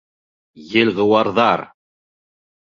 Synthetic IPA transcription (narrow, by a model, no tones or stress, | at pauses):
jɘ̆lʲʁɤ̆wɑɾðɑɾ